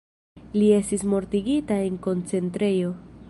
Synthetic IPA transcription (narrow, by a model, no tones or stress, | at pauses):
lie̞stismo̞ɾtiɡitae̞ŋko̞nt͡se̞ntɾe̞jo̞